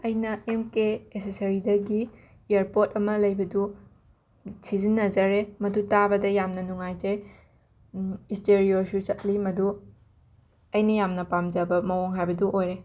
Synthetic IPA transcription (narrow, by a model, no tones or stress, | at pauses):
ɐjnɐʔemkeesesɐɾidɐɡi | ieɾpotɐmɐlɐjbɐdu | sizinːɐd͡ʒɐɾemɐdutabɐdɐjamnɐnuŋajd͡ʒej | isteɾiosut͡ʃɐt̚limɐdu | ɐjnɐjamnɐpamd͡ʒɐbɐmɐwoŋɦajbɐduʔojɾe